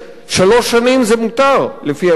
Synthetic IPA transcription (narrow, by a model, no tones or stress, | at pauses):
ʃalo̞ʃːanimzemut̪aʁlefia